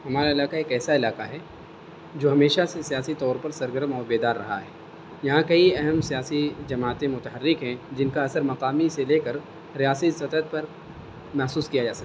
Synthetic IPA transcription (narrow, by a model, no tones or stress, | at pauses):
ɦɐmaːɾaɪlaːkaeːkɛːsaɪlaːqaɦɛː | d͡ʒoːɦɐmeːʃasesijaːsit̪ɔːɾpɐɾsɐɾɡəɾmɔːɾbeːd̪aːɾːɐ̰ɦa̰ɦɛː | jɐɦãkɐiɐɦɛmsijaːsid͡ʒɐmaːt̪ẽmʊt̪əɦərːɪkɦɛ̃d͡ʒɪnkaɐsəɾmɐqaːmiseleːkəɾ | ɾijaːsist̪ɐt̪ət̪̚pɐɾ | mɛɦsuːskijad͡ʒaːsɐk̪̚ː